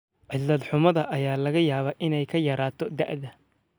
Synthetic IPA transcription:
ʕɪlɐd̪ħʊmɐðɐʔɐjaːlɐɣɐjaːβɐːʔɪnɛjkʰɐjɐɾaːt̪ʰɔd̪a̰ʔðɐ

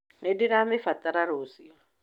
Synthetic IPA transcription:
nediɾamɪfatʼaɾaɾosi

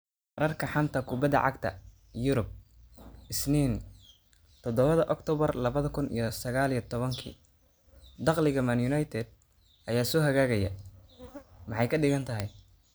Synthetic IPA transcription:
rɐrkʰɐħɑnt̪ʰɐkʰʊbɐd̪ɐ̰ʕɑ̰ɡt̪ʰɐ̰ | jʊɾʊb̚ | ʔɪsniːn | t̪ʰɔd̪ɔβɐðɐʔɔkt̪ʰɔːβɐrlɐβɐðɐkʰʊnḭjɔsɐɣaːlijɔt̪ʰɔβɐŋkʰḭː | d̪ɑqlɪɣɐmanjʊnɐjt̪ʰɛd̪̚ | ʔɐjaːsɔːɦɐɣaːɣɐjɐ̰ | mɑħɑjkʰɐɖɪɣɐnt̪ʰɐɦɛj

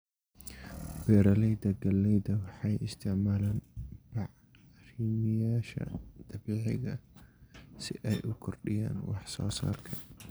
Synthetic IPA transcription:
b̥ɛːɾɐlɛjd̪ɐɡɐlːɛjd̪ɐwɑħɑjɪst̪ʰɪʕmaːlanb̥ɑʕ | riːmɪjaːʃɐ̰d̪̥ɐbiːʕɪɣɐ | sɪʔɛjʔʊkʰɔrɗɪja̰ːnwɑħsɔ̰ːsa̰ːrkʰɐ

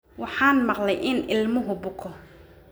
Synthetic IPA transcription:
wɑħɑːnmɑqlɛjʔɪnɪlmʊɦʊbʊkʰɔ

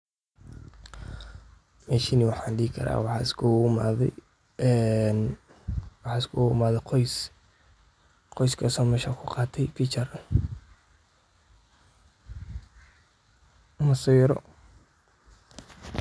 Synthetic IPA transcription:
mɛːʃiniwɑħɑːnɖiːɪkʰɐ̰ɾa̰ːwɑħɑ̰ːɪskʰʊʊma̰ːðɛ̰j | ɛn | wɑħɑːɪskʰʊʊmaːðɛqʰɔjs | qɔjskʰɐsɔːmɛːʃaːkʰʊqɑːt̪ʰɛjfit͡ʃɐr | mɐsijɾɔ̰

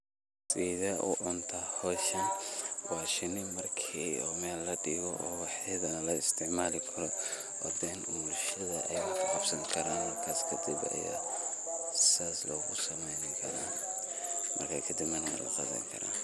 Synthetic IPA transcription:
siðɐʔʊ̰ʕʊnt̪ʰɐhɔːʃɐnwɑːʃɪnɪmɐrkʰiɔːmɛːlːɐd̪ɪɣɔʔɔːwɑħɛːðɐnɐlɐɪst̪ʰɪʕmaːlɪkʰɐɾɔ | wɑ̰d̪ɛːnmulʃɐðɐ̰ʔɛjkʰʊqɑbsɐŋkʰɐɾaːnmɐrkʰaːskʰɐd̪ɪbɐ̰ja̰ | saːslɔːɣʊsɐmɛjnɪkʰɐɾaːn | mɐ̰rkʰakʰɐd̪ɪbmɐnɐɛ̰lɐ̰qɑ̰ðɐ̰ŋkʰɐ̰ɾa̰ːn

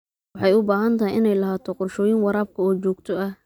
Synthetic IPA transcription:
wɑħɑjʊbaːɦɐnt̪ʰɐɦɪjʔɪnɛjlɐɦaːt̪ʰɔqʊrʃɔːjɪŋwɑɾaːb̚kʰɐɔːt͡ʃɔːɡ̚t̪ʰɔɐ

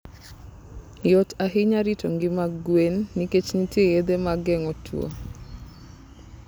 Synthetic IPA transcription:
jɔtaɦɪɲaɾitɔŋɡɪmaɡwenːiket͡ʃnitejed̪emaɡɛŋɔtʰw̰o̰

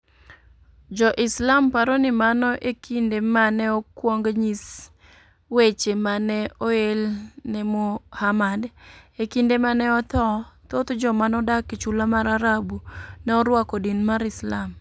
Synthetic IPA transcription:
d͡ʒɔʔɪslampaɾɔnɪmanɔʔekʰindemanɛɔkwɔŋɡɲis | wet͡ʃemanɛɔelnɛmohamadekindemanɛɔt̪ɔt̪ot̪d͡ʒɔmanɔdaket͡ʃulamaɾaɾabunɛɔɾwakɔdinmaɾɪslam

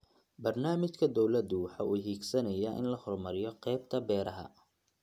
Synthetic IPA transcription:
bɐrnaːmɪt͡ʃkʰɐd̪ɔwlɐd̪ʊwɑħɑːʔuːɦiːɡsɐnɐjaʔɪ̰nlɐhɔrmɐɾɪjɔqɛːjbt̪ʰɐbɛːɾɐɦɐ̰

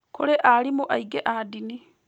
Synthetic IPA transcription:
koɾeʔalimoʔaiɡeʔadini

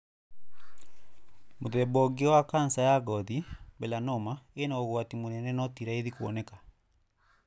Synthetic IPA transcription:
moðɛbɔɡewakansajaɣɔðibɛlanɔmaenaoɣwatimonɛnɛnɔtiɾaeðikuɔ̰nɛkḁ

